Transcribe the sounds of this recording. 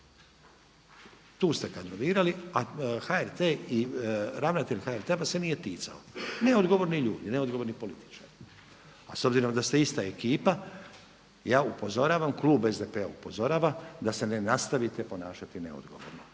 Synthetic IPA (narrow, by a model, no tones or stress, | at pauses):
t̪uːst̪e̞kand̪ɾoniːɾaliaxaeɾt̪eːiɾaʋnat̪eʎxaeɾt̪eʋasenije̞t̪iːt̪sa̰oneo̞d̪ɡo̞ʋo̞ɾniʎuːd̪ineo̞d̪ɡoʋo̞ɾnipo̞lit̪i̥t͡ʃaːɾi | a̰sobziɾo̞md̪ast̪eist̪aekiːpa | jaːupo̞zo̞ɾaːʋamkluːbe̞zd̪epea̰upo̞zo̞ɾaːʋad̪ase̞ne̞nast̪aʋit̪epo̞naːʃat̪ine̞̰o̰d̪ɡoʋo̰ɾno